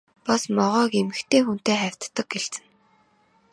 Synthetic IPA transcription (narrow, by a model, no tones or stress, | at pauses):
pɔsmɔʁœːkemɘ̆xt̪ʰeːxun̥t̪eːχæw̥ʲt̪ːə̆k̚ɡeɬɘ̆n